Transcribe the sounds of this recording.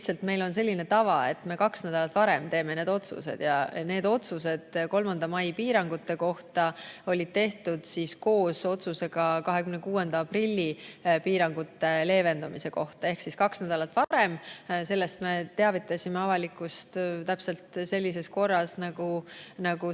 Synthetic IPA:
lt̪sɑlt̪me̞jlo̞ns̬e̞lʲːine̞t̪ɑvɑe̞̰t̪ːˑme̞kɑksnæd̪̥ɑlɑt̪vɑɾe̞mt̪e̞ːmene̞ːd̪o̞t̪sṵse̞̰d̪̥jɑne̞ːd̪o̞t̪suse̞d̪̥ko̞lmɑnd̪̥ɑmɑjpiːɾɑŋɡ̥ut̪ːe̞ko̞ht̪ɑo̞lʲid̪̥̚t̪e̞ht̪ud̪̥sisko̞ːso̞t̪suse̞ɡ̥ɑkɑɦe̞kymnekuːe̞nd̪̥ɑɑprilʲːipiːɾɑŋɡ̥ut̪ːe̞le̞ːve̞nd̪̥umise̞ko̞ht̪ɑe̞hksiskɑksnæd̪ɑlɑt̪ːˑvɑɾe̞mse̞lːe̞st̪me̞t̪e̞ɑvit̪ːˑɑsʲimeɑvɑlikːˑust̪t̪æpse̞lt̪se̞lʲːise̞sko̞rːɑsnɑɡ̥unɑɡ̥u

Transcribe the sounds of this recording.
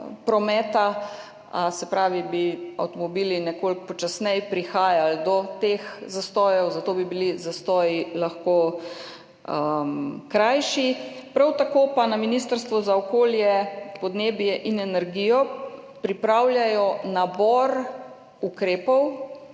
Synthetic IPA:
pɾɔmɛːt̪a | sɛpɾaːʋibia̰wt̪ɔmɔbilinɛkolk̚pɔt͡ʃasnɛjpɾixaːjald̪ɔt̪exzast̪ɔːjɛwzat̪oːbibilizast̪ɔːjilaxko | əkɾajʃipɾawt̪akoːpanaminist̪əɾst̪ʋɔzaɔkoːljɛpɔd̪neːbjɛʔinɛnɛɾɡijɔ | pɾipɾawljajɔnabɔɾ | ukɾeːpɔw

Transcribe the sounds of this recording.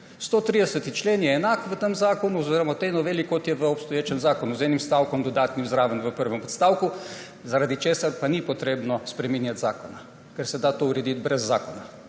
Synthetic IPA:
st̪oːt̪ɾid̪ɛsət̪it͡ʃleːnjɛːnaːkʋət̪əmzaːkonuɔziːɾɔmat̪enɔʋeːlikːɔt̪jɛʋəɔpst̪ɔjeːt͡ʃɛnzaːkɔnuzɛnimst̪aːwkɔmd̪ɔd̪aːt̪nimzɾaːʋənʋəpəɾʋɛmɔt̪st̪aːwku | zaɾad̪it͡ʃeːsaɾpanipɔt̪ɾeːbnɔspɾɛmiːnjat̪zaːkɔna | kɛɾsɛd̪at̪ouɾɛd̪it̪bɾɛzːaːkɔna

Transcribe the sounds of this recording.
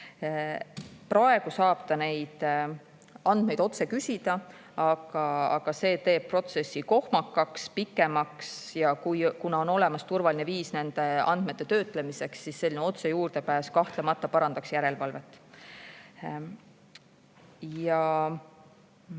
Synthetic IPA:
prɑe̞ɡ̥usɑːb̥t̪ɑne̞jd̪̥ | ɑnd̪̚mejd̪o̞t̪se̞kysʲid̪̥ɑ | ɑɡ̥ɑɑ̰ɡ̥ɑse̞ːt̪e̞ːb̥̚pro̞t̪se̞sːiko̞hmɑkːˑɑkspikːˑe̞mɑksjɑkujkunɑo̞no̞le̞mɑst̪urvɑlineviːsne̞nd̪̥e̞ɑ̰nd̪̥met̪ːe̞t̪ø̞ːt̪ˑle̞mise̞ksːisːe̞lʲːineo̞t̪se̞juːɾd̪̥e̞pæːskɑht̪lemɑt̪ːˑɑpɑɾɑnd̪ɑksjæɾe̞lvɑlve̞t̪ːˑ | jɑ

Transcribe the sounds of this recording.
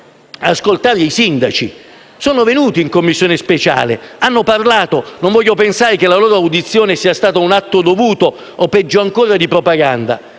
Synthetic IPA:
askolt̪aːɾeisind̪at͡ʃi | sɔːnovenuːt̪iːŋkomːisːjoːnɪspet͡ʃa̰ːlḛanːoparlaːt̪onõɱvɔʎːopensaːɾek̟elːaloːɾoawd̪it̪sːjoːnesiːast̪aːt̪aunat̪ːod̪ovuːt̪o | opɛd͡ʒːoaŋkoːɾad̪ipɾopaɡand̪a̰

